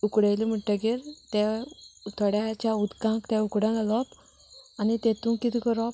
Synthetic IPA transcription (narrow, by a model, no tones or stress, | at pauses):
ukɽajlim̤əɳʈaɡeɾt̪ɛt̪ʰɔɽjat͡ɕaud̪kãŋkt̪ɛ̃ukɽãɡalɔp | anit̪et̪ũkːit̪ʰikəɾɔp̚